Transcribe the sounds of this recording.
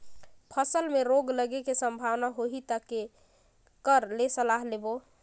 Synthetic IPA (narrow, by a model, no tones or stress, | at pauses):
pʰəsəlmeɾoɡləɡekesəmbʱawnaɦoɦit̪əke | kəɾlesəlaɦlebo